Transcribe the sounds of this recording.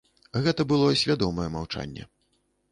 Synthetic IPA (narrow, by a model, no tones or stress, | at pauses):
ɣɛt̪ɐbɨlˠɔsʲvʲad̪ɔmɐjɛmawt͡ʂa̰nʲːɛ̰